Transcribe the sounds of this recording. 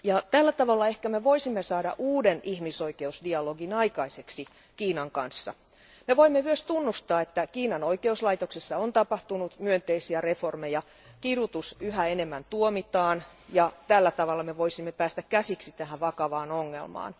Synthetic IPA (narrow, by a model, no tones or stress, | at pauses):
jɑt̪ælːæt̪ɑʋɑlːɑehkæmeʋoisimːesɑːdɑ̰ʔuːdenihmisoikeusdiɑloɡinɑikɑise̞ksi | kiːnɑŋkɑnsːɑ̰ | meʋoimːeyøst̪unːust̪ɑːet̪ːækiːnɑnoikeuslɑit̪oksesːɑont̪ɑpɑht̪unut̪myønt̪eisiære̞formejɑ | kiɾut̪usyɦæenemːænt̪uomit̪ɑːn | jɑt̪ælːæt̪ɑʋɑlːɑmeʋoisimːepæːst̪ækkæsiksit̪æɦæʋɑkɑʋɑːnoŋːḛlmɑ̰ːn